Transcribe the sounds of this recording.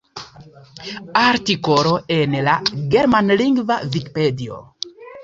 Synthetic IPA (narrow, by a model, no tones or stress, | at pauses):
aɾtiko̞ɾo̞enlaɡe̞ɾmanliŋɡvavikpedio̰